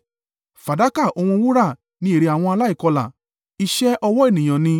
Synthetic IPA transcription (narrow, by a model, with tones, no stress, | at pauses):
fa˨da˨˦ka˦˨ʔo˧wũ˧wu˦ɾa˦˨ | nĩ˨˦e˦˨ɾi˧a˨w̃ɔ̃˧a˧la˦i˦˨kɔ˧la˨ | i˧ʃɛ˦ʔɔ˧wɔ˦e˦˨nĩ˨j̃ã˨nĩ˧